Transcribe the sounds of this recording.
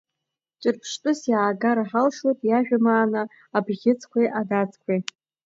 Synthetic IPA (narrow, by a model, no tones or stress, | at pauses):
t͡ʃʷʼɨrpʰʂtʼʊsjaːɡaɾaħalʂotʼjaʒᶣamaːnɨː | bɣʲɪt͡sʰʼkʷʰejʔadat͡sʼkʷʰe